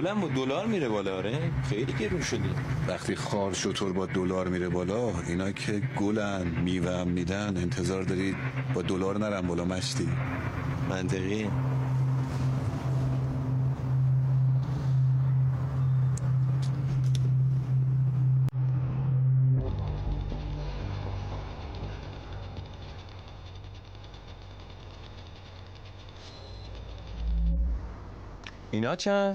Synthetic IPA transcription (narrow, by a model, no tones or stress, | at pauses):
olæmbɒːd̪olɒːɾmiːɾebɒːlɒːɾexejliːɡeɾunʃod̪ivæχt̪ʰiːxɒːɾʃot̪ʰoɾbɒːd̪olɒːɾmiːɾebɒːlɒ | inɒːcʰe̞ɡolænmiːvæmːiːd̪æne̞nt̪ʰe̞zɒːɾd̪ɒːɾiːd̪̥bɒːd̪olɒːɾnæɾæmbɒːlɒːmæʃt̪ʰiː | mʔænt̪ʰeɣi | inɒt͡ʃʰæ